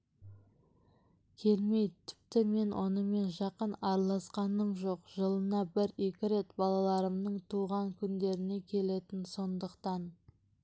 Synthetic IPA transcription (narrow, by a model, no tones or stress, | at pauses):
kʲʰe̞lme̞jt̪ʰɪ̥p̚t̪ɪme̞nwʔo̞̰nəme̞nʒɑqənɑɾlˠɑsqɑnəɴʒo̞qʒ̥əlˠənɑbɪɾe̞kʲɪɾe̞t̪bɑlˠɑlˠɑɾəmnəɴt̪ʰuʁɑŋkʲʰʏnd̪e̞ɾɪne̞kʲʰe̞le̞t̪ɪnso̞nd̪əqt̪ɑn